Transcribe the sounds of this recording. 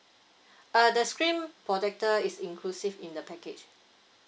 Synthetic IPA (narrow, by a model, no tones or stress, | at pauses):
ədəskɹĩmpɹɔtɛk̚təisĩŋkʰlusivĩndəpɛket͡ʃ